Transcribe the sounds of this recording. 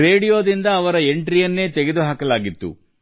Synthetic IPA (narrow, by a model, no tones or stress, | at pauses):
ɾe̞ːɽijo̞ːd̪ind̪ɐːʋɐɾɐe̞ɳʈɾijɐnːe̞ːt̪ɛɡed̪uɦaːkɐlaːɡit̪ːṵ